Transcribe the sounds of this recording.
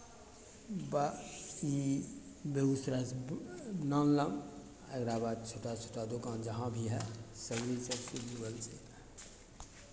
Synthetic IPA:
bai | beusɾas | nãːnləm | əɡɾabaːd̪̚t͡ʃʰoːʈat͡ʃʰoːʈad̪okaːnd͡ʒɐɦãbʱiɦɛsəɡɾisəbsiluɡəlse

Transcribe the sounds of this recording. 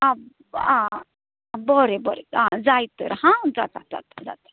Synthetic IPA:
a | ã | bɔɾebɔɾead͡zajt̪əɾɦãd͡zat̪a̰d͡za̰t̪ḁd͡za̰t̪ḁ

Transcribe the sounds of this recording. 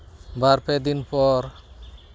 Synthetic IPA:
baɾped̪inpɔɾ

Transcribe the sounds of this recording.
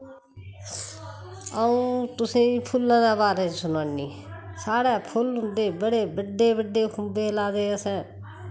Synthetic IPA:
əũːt̪ʊsĩːpʰʊlːãːd̪aːbaːɾeːsʊnãːniː | saːɽɛːpʰʊlɦʊ̃nd̪eːbəɽeːbəɖːeːbəɖːeːkʰʊmbeːlaːd̪eːəsɛ̃ː

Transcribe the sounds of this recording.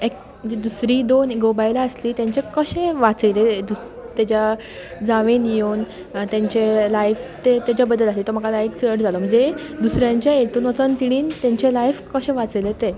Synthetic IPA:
ek̚ | məd͡ʑed̪usɾiːd̪onɡobajlaəsliːt̪jãɲt͡ɕekəɕẽʋat͡səjled̪us | t̪jat͡ɕja | d͡zaʋenjown | t̪jãɲt͡ɕelajft̪et̪jat͡ɕjabəd̪ːəlaslit̪ɔɾm̤əkalajkt͡səʈd͡zalɔm̤əɲd͡ʑd͡zed̪usɾjãɲt͡ɕjaeʈ̪uːnʋət͡sənt̪iɽ̃iːnt̪jaɲt͡ɕelajfkəɕẽʋat͡sjlet̪e

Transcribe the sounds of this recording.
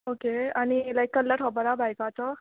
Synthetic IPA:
okeanilajkːəlːaʈʰɔbəɾabʱajkat͡ʃɔ

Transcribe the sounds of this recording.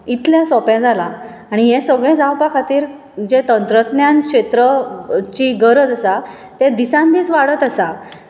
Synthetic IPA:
it̪ʰljasɔpjãd͡zʱalaː | ɽ̃ijɛ̃səɡɭẽd͡zawpakʰat̪iːɾ | d͡ʑet̪ənt̪ɾət̪njãnkɕet̪ɾət͡ɕiɡəɾəd͡zəsa | t̪ẽd̪isãnd̪iːt͡sʋaɽət̪asa

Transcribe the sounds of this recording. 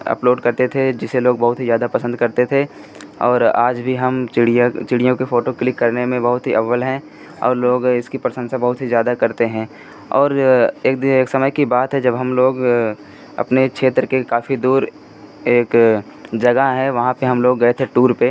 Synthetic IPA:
ɐ̰ploːɖkɐɾt̪et̪ʰed͡ʒɪseloːɡbɐɦʊt̪ɦizjaːd̪apɐsə̃nd̪kɐɾt̪et̪ʰe | ɔːɾaːd͡ʒbʱiɦɐmɪɽijt͡ʃɪɽijõkefoːʈoklɪkːɐɾnemẽbɐɦʊt̪ɦiʔɐʋəlɦɛ̃ | ɔ̰ːɾloːɡɪskipɾəsə̃nd̪sẽbɐɦʊt̪ɦizjaːd̪akɐɾt̪eɦɛ̃ | ɔːɾeːk̚d̪eːksɐməjkibaːt̪ɦɛd͡ʒɐbɦɐmloːɡ | ɐ̰pnekʃʰeːt̪ɾəkekaːfid̪uːɾ | eːk | d͡ʒɐɡaɦɛʋɐɦãpeɦɐmloːɡːɐet̪ʰeʈuːɾpe

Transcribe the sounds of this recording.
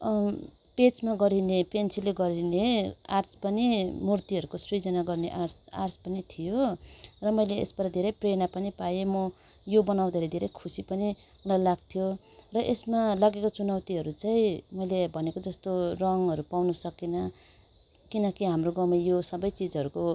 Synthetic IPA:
pet͡smaɡʌɾinepensileɡʌɾinea̰rt͡spʌnimurt̪iɦʌɾukosrid͡zʌnaɡʌrneʔarsa̰rspʌnit̪ʰijorʌmʌjlḛːsbʌɾad̪ʱeɾʌjprenapʌnipajemʌ | jobʌnaw̃d̪ʱeɾʌd̪ʱeɾʌjkʰusipʌni | ulajlaɡ̚t̪ʰijo | rʌʔesmalaɡekot͡sunʌwt̪iɦʌɾut͡saĩmʌjlebʱʌnekod͡zʌst̪orʌŋʌɾupawnʌsʌkinʌ | kinʌkiɦamroɡʌwmʌjosʌbʌjt͡sid͡zʌɾuko

